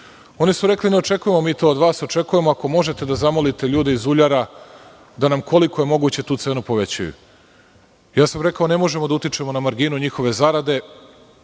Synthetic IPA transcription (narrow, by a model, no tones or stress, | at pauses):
o̞nisuɾe̞klineo̞t͡ʃe̞kuje̞momiːt̪o̞ːd̪ʋaːso̞t͡ʃe̞kuje̞moako̞mo̞ʒe̞t̪e̞d̪azamo̞lit̪eʎuːd̪eizuʎaɾa | d̪anamkʰo̞liko̞je̞mo̞ɡut͡ɕe̞t̪uːt̪se̞ːnupo̞ʋe̞t͡ɕa̰jṵ | jaːsamɾe̞kaone̞mo̞ʒe̞mod̪aut̪it͡ʃe̞mo̞namaɾɡinuɲixo̞ʋe̞zaɾad̪e̞